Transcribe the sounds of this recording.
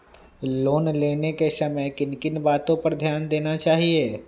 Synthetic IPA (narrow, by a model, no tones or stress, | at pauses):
loːnleːnekesɐməjkɪnkɪnbaːt̪õpɐɾd̪ʱjaːnd̪eːnat͡ʃaːɦieː